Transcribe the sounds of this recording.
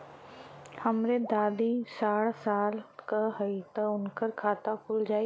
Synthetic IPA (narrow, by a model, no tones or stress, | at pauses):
hɐmɾed̪aːd̪isaːɽsaːlkɐɦɐit̪ɐʊnkəɾkʰaːt̪akʰʊld͡ʒaːi